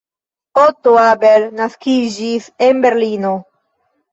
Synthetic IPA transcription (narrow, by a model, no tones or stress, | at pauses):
ot̪oabelnaskiʒisembeɾlino